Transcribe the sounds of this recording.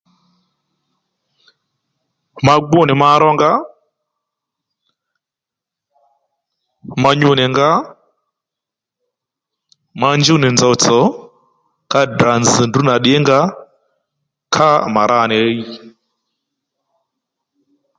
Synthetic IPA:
ma˨ɡ͡bɔ˦˨ni˨ma˦ɾɔ˦ŋɡa˦ | ma˧ɲu˦˨nɛ˨ŋɡa˦ | ma˦nd͡ʒu˦ni˨nd͡zɔ˨t͡sɔ˨˦ | ka˦da˨nd͡zi˨ndu˦na˨ɗɛ˦ŋɡa˦ | kʰa˦ma˨ɾa˦˨nɛ˨˦i˦

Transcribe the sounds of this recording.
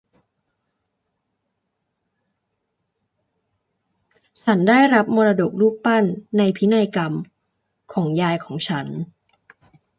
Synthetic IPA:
t͡ɕʰa˦˥ndaː˥˩jɾa˦˥p̚moː˧ɾaː˧do˨˩k̚ɾuː˥˩k̚pa˥˩nːa˧jpʰi˦˥na˧jka˧m | kʰɔː˩˦ŋjaː˧jkʰɔː˩˦ŋt͡ɕʰa˦˥n

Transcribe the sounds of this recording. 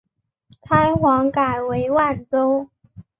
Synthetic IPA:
k̪ʰa˥ɪxwɑ˧˥ŋka˨˩ɪwe˧˥ɪwa˥˩nt͡so˥ʊ

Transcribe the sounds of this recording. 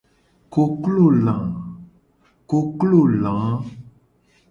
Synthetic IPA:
ko˨klo˦˨lã˨ | ko˨klo˦˨lã˨˦

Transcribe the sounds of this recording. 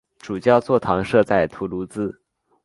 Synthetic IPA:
ʈ͡ʂu˨˩t͡ɕjɑ˥˧ʊt͡swɔ˥˩t̪ʰɑ˧˥ŋʂɤ˥˧t͡sa˥˩ɪt̪ʰu˧˥lu˧˥t͡sɹ̩˥

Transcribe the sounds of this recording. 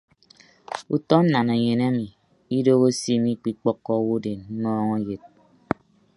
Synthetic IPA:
u˨tɔ˦n̩˦na˨na˨ɲe˨na˦mi˨ | i˦do˦ɣo˦si˦mi˦k͡pi˦k͡pɔ˦kːɔ˦wo˦de˨n̩˦nɔː˦ŋo˦je˨t̚

